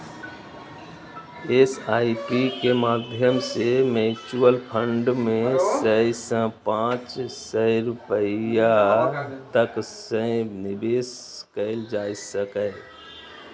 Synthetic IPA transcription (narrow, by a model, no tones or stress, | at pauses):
esaːiʈikemaːd̪ʱjəmsemet͡ʃuəlpʰə̃ɳɖmẽsəɪsə̃pãːt͡ʃsəɪɾʊpəja | t̪əksə̃nɪbeːskəɪld͡ʒaːɪsəkə